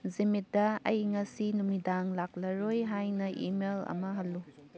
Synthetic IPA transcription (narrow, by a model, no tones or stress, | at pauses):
zimit̚dɐɐjŋɐsinumidaŋlak̚lɐɾojɦajnɐʔḭmelɐ̰mɐɦɐlːu